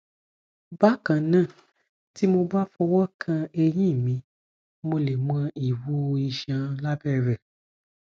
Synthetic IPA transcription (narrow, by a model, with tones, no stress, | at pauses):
ba˦kã˨nãː˦˨ | ti˦mo˧ba˦fɔ˧wɔ˦kʰã˧e˧jĩ˦˨mĩ˧˦ | mo˧le˨mɔ̃˧i˨wu˦˧i˧ʃã˧la˦bɛ˦ɾɛ˨